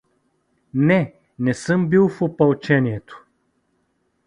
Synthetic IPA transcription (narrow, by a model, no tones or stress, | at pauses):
nɛ | nɛsɤmbilˠfopɐlˠt͡ʃɛniɛt̪o̥